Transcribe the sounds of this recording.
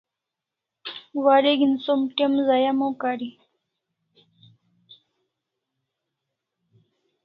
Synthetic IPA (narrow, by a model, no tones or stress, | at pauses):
waɾeɡinsomʈemzajamõkaɾi